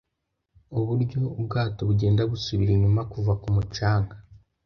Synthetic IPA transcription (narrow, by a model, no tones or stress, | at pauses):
oβuɾɟo̞b̚ɡaːto̞βuɟe̞ːndaβusuβiɾiɲumakuvakumut͡ʃaːŋɡa